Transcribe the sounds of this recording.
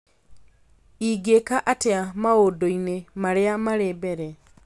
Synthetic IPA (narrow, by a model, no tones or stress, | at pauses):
iɡekaʔateamaodoinemaɾeamaɾebɛɾɛ